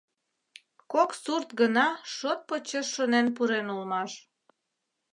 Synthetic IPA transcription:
koksurt̪ɡənɑʃot̪̚pot͡ɕeʃːonenpuɾenulmɑʃ

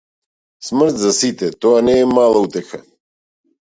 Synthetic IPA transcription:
sməɾt̪zasit̪ɛt̪oaneːmaːlˠaut̪exa̰

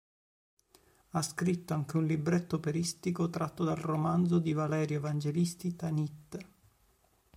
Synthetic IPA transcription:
askɾit̪ːoaŋk̟eunlibɾet̪ːopeɾist̪ikot̪ɾat̪ːod̪alromand̪zod̪ivalɛːɾjoevand͡ʒelist̪it̪anit̪ː

